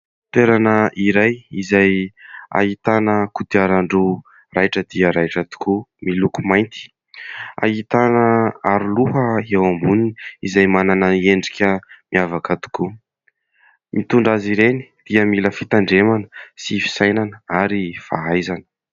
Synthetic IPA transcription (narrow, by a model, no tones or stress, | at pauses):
t̪eɾanəʔiɾajizaja̰ɦit̪anəkud̪iaɾaɳɖ͡ʐu | rajʈ͡ʂəd̪iəɾajʈ͡ʂət̪u̥kʰumilukumajnt̪i̥ | a̰ɦit̪anəaɾuluɦəewambuniniizajmananaeɳɖ͡ʐikʲəmiavakət̪u̥ku | mit̪uɳɖ͡ʐaziɾeni̥d̪̥iəmiləfit̪aɳɖ͡ʐemanəsifi̥sajnanəaɾifa̰ajzanə̥